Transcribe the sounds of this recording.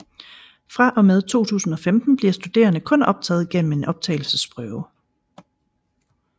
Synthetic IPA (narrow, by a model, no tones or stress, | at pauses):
fʁɑ̈ʔɒ̽með̞ˠt͡sʰo̝̰ːt͡sʰṵːsn̩ɒ̽femd̥n̩b̥liɐsd̥ud̥e̝̰ːɐnəkʰɔ̽nɒ̽b̥̚t͡sʰɛ̰ːð̞̩ˠɡ̥en̰m̩e̝nʔɒ̽b̥̚t͡sʰɛ̰ːɪl̩səsb̥ʁœʊ